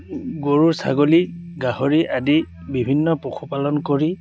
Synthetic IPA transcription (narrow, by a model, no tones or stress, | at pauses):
ɡoɹuɹsa̰ɡoliɡaɦoɹiʔadi | bibʱinːɔpɔkʰupalɔnkoɹi